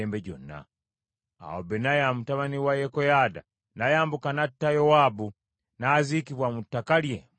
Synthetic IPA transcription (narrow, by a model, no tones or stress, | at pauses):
eːmbeɟo̞̰nːa̰ | a̰wo̰benajamutaβaniwajekojaːda̰ | najaːmbukanatːajo̞waːbu | naːzikiβwamutːakalje